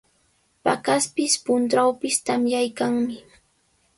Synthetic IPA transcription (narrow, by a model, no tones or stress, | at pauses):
pa̰kaspɪspʊnt̪ɾawpɪst̪amjajkaŋmɪ